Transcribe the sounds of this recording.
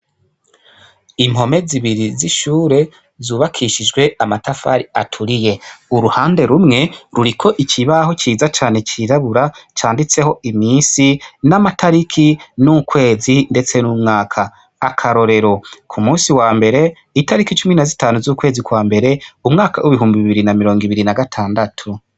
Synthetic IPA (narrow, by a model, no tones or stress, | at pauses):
im̥ho̞me̞ziβiɾiziʃuːɾe̞ | zuːβakʰiʃid͡ʒɡwe̞amatafa̰ɾia̰tʰuɾije̞uɾuhaːnde̞ɾumŋe̞ɾuɾikʰo̞ʔicʰiβaho̞t͡ʃiːzat͡ʃaːne̞t͡ʃiɾaβuɾat͡ʃaːndit͡se̞ho̞ʔimiːnsinamatʰaɾikʰinukwe̞ːzinde̞t͡se̞nuːmŋaːkʰa | akʰaɾo̞ɾe̞ɾo̞kʰumuːsiwaːmbe̞ɾe̞ | itaɾikit͡ʃuminazitaːnuzuːkwe̞ːzikwaːmbe̞ɾe̞umŋaːka̰wʔuβiɦuːmbiβiβiɾinamiɾo̞ːŋɡiβiɾinaɡatʰaːndatʰu